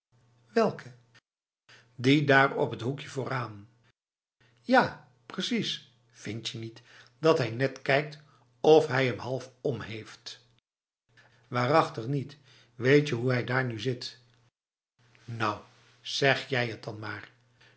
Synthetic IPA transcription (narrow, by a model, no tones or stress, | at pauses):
ʋɛlˠkʰə | didaːrɔ̰pɦətɦukjəvʊːraːn | jaː | prəsis | fɪntjənit | d̥ɑtɦɛjnɛtkɛjk̚t | ɔfɦɛjɦəmɦɑlˠfɔmɦejft | ʋaːrɑχtəχnit | ʋejtjəɦuɦɛjdaːɹnyzɪt | nɔw | z̥ɛχjɛjɦət̚dɑnmaːr